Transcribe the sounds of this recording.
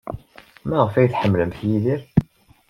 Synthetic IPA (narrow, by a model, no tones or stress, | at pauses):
mæʁəfæjθħəmːləmθjiðiɾ